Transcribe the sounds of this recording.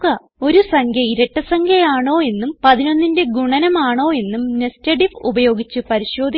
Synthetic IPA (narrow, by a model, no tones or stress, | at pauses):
kːɐ | o̞ɾusɐŋɡʰʱjɐiɾɐʈːɐsɐŋkʰjɐjaːɳo̞ːe̞nːumpɐðino̞nːindeɡuɳɐnɐmaːɳo̞ːe̞nːumnestɐʈifubɐjo̞ːɡit͡ɕːupɐɾiɕo̞ːd̪